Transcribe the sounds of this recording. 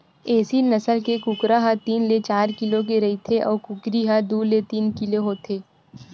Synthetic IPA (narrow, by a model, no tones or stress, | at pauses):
eːsinɐsəlkekʊkɾaɦat̪iːnlet͡ʃaːɾkɪlõk̬eɾɐɦit̪ʰeʔɔːɾkʊkɾiɦad̪uːɾlet̪iːnkɪloɦoːt̪ʰeː